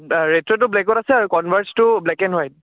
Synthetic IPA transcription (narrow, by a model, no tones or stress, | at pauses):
ɹetɹɔt̬ʊblɛkɔtasɛaɹukɔnbʱaɹstʊblɛkɛnɦɔj